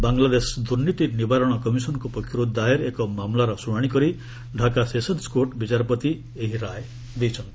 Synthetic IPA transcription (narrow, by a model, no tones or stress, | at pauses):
baŋlad̪esd̪uɾnit̪inibaɾɔɽ̃ɔkɔmisɔnkupɔkʰːiɾod̪aeɾekɔmamlaɾɔsuɽ̃aɽ̃ikɔɾi | ɖʱakasesɔnskoʈbit͡ʃaɾɔpɔt̪i | eɦiɾaj | d̪ejt͡ʃʰʌnt̪i̥